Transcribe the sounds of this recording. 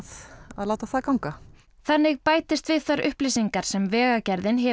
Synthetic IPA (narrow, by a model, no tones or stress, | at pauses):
ðaðlaːwt̪aθakawŋka | θanːɪɣpaːjt̪ɪst̪vɪðθaɾʔʏ̰hplisiŋkaɾ̥sɛmvɛːɣacɛɾðɪnɦɛ